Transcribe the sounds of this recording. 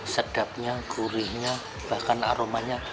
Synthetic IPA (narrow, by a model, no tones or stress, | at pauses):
səd̥ap̚ɲaɡ̥uɾɪhɲa | b̥ahkana̰ɾomaɲa